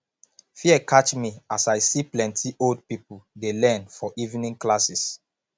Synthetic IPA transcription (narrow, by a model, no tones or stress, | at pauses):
fiɛkʰat͡ʃmiasajsiplɛ̃ntʰiʔold̚pipudelɛ̃nfɔʔivnĩŋklasis